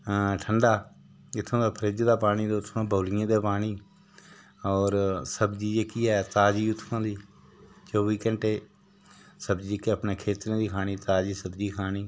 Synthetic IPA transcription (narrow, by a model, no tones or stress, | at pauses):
ʈʰəɳɖaː | ɪt̪ʰːõːd̪aːpʰəɾeːd͡ʒd̪aːpaːɽ̃iːd̪eːʊt̪ʰnãːbəːlɪjãːd̪eːpaːniː | ɔːɾsəbd͡ʒiːd͡ʒeːkiːɛːt̪aːd͡ʒiːʊt̪ʰːãːd̪iː | t͡ʃoːʋiːkəɳʈeː | səbd͡ʒiːd͡ʒekiəpneːkʰeːt̪ɾẽːd̪iːkʰaːɽ̃iːt̪aːd͡ʒiːsəbd͡ʒiːkʰaːniː